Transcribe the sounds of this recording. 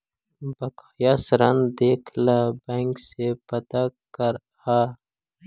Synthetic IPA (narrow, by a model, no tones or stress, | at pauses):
bɐkː | jasɾɐnd̪eːkʰlabaŋksepɐt̪akɐɾ | ha